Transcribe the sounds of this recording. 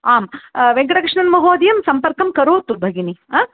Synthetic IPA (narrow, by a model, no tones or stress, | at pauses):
aːmʋeŋkɐɽɐkɾiʂɳɐnmɐɦoːɐd̪ijɐmsɐmpɐɾkɐmkɐɾoːt̪ubʱɐɡinĩ